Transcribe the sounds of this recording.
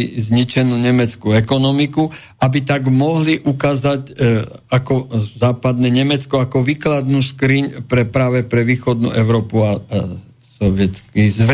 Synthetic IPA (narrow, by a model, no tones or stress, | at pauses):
izɲit͡ʃɛnuːɲɛmɛt͡skuɛkɔnɔmiku | abit̪aɡmɔɦliʔukaːzacakɔzaːpad̪nɛɲɛmɛt͡skɔakɔʋiːklad̪nuːskɾiɲpɾɛpɾaːʋɛpɾɛʋiːxɔd̪nṵːʔɛʊɾɔːpua | sɔʋɪɛt͡skizʋ